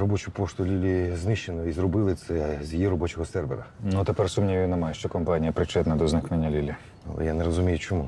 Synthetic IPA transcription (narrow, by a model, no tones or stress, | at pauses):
ɾɔbɔt͡ʃʊpɔʃt̪ʊlʲilʲiznɪʃenɔizrɔbɪlˠɪt̪sɛzʲjiɾɔbɔt͡ʃɔɦɔsɛrʋḛɾɐnut̪epɛrsʊmnʲijinemajɛʃt͡ʃɔkɔmpanʲijɐpɾɪt͡ʃɛt̪nɐd̪ɔznɪknenʲːɐlʲilʲi | ɐ̰lˠɛ̰janeɾɔzʊmʲijʊt͡ʃɔmu